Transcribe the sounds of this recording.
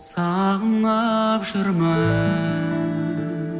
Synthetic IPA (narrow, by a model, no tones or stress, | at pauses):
sɑʁənɑpʒɪɾmə